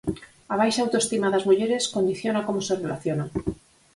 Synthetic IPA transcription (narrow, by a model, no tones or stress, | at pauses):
aβ̞ajʃaːwt̪oest̪imaðazmuʎeɾeskond̪iθjonakomoserelaθjona